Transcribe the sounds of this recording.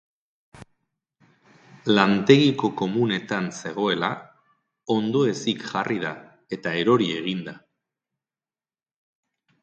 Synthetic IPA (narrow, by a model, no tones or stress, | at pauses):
lant̪e̞ɣiko̞ko̞mune̞t̪anse̞ɣ̞o̞e̞la | o̞nd̪o̞e̞sikʝarið̞a | e̞t̪ae̞ɾo̞ɾie̞ɣ̞ind̪a